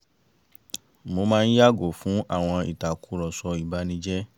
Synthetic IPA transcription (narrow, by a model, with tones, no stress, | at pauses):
mo˧mãː˦˧n̩˦ja˦ɡo˨fũ˨˦ʔa̰˦˨w̃ɔ̃˧ḭ˨ta˨ku˨˦ɾɔ˨sɔ˧i˨ba˨˦nĩ˧˦d͡ʒɛ˦